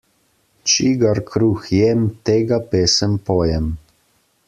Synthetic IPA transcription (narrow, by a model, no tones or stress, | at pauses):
t͡ʃiɡaɾkʰɾuːxjɛmt̪eːɡapeːsəmpɔːjɛm